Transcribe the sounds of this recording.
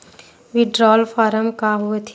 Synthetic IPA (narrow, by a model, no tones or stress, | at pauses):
ʋɪɖɾɔːlfʰaːɾəmkaɦuet̪ʰ